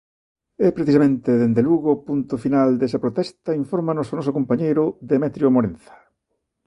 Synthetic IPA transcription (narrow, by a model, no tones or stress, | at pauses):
ɛpɾeθisamẽnt̪eðend̪eluɣopunt̪ʊfinald̪esɐpɾot̪ɛst̪ɐiɱfoɾmanosonɔsʊkompaɲejɾʊðemɛt̪ɾjomoɾẽnθɐ̥